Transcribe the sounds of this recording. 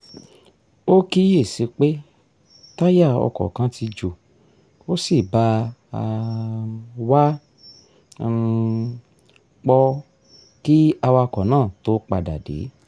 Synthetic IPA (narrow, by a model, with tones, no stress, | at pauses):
o˦ki˦je˦˨se˨˧˦k͡pe˦ | ta˦ja˦˨ɔ̰˧kɔ̰˨kã˧˦ti˧d͡ʒo˨ | o˦si˦˨ba˧˦a˧ | wa˦ | k͡pɔ˧ | ki˦a˧wa˧kɔ˨nãː˦˨to˦k͡pa˧da˨dḛ˨˦